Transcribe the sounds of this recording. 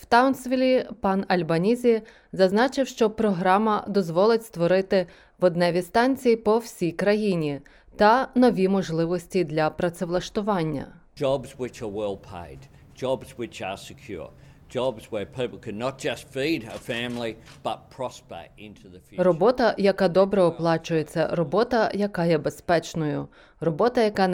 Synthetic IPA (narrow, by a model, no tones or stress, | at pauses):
wt̪ɑwnsʋʲilʲipɑnɐlʲbɐnʲizʲi | zɐznɑt͡ʃɪwʃt͡ʃɔpɾɔɦɾɑmɐd̪ɔzʋɔlˠɪtʲst̪ʋɔɾɪt̪ɪ | ʋɔd̪nɛʋʲist̪ɑnʲt͡sʲijipɔwsʲijkɾɐjinʲi | t̪ɐnɔʋʲimɔʒlˠɪʋɔsʲtʲid̪lʲɐpɾɐt̪seʋlˠɐʃt̪ʊʋɑnʲːɐ̰ | d͡ʒɑbzwɨt͡ʃə˞wɛlˠpʰḛɪd | d͡ʒɑbzwɨt͡ʃə̰˞sɨkʰj̥ʊ̰ɹ | d͡ʒɑbzwə˞pʰipl̩ˠkʰɨ̃nət̚d̥ʒ̥ʌstfiɾə̰fæ̃mlib̥ʌt̚pʰɹ̥ɑspḛɪ̃ntʰuðɨfjrɔbɔt̪ɐjɐkɑd̪ɔbɾɛɔplˠɑt͡ʃʊjet͡sʲːɐ̰ɾɔbɔt̪ɐjɐkɑjɛbespɛt͡ʃnʊjʊ | rɔbɔt̪ɐjɐkɑ